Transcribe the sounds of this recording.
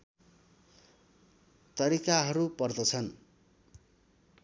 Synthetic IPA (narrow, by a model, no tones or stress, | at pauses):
t̪ʌɾikaɦʌɾupʌrd̪ʌt͡sʰʌn